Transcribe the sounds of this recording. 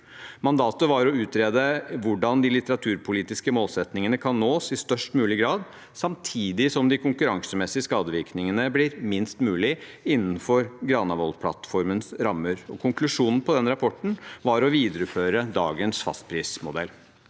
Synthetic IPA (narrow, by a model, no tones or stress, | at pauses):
mɑnd̪ɑːt̪əʋɑɾɔʉːt̪ɾeːd̪əʋʊɖɑnd̪ɪlɪt̪əɾɑt̪ʰʉːɾpʰʊliːt̪ɪskəmoːlsɛt̪nɪŋənəkʰɑnːoːsɪst̪œʂʈmʉːlɪɡɾɑːd̪ | sɑmt̪ʰiːd̪ɪsɔmd̪ɪkʰʊŋkʉɾɑŋsəmɛsɪəskɑːd̪əʋɪɾknɪŋənəblɪɾmɪnst̪mʉːlɪɪnːn̩fɔɾɡɾɑːnɑʋɔlpʰlɑ̰t̪fɔɾmənsɾɑmːəɾɔkʰʊŋklʉʂuːnn̩pʰɔd̪ɛnɾɑpʰɔʈːɳ̩ʋɑɾɔʋiːd̪əɾʉføːɾəd̪ɑ̰ːɡənsfɑ̰st̪̚pʰɾiːsmʊd̪ɛ̰l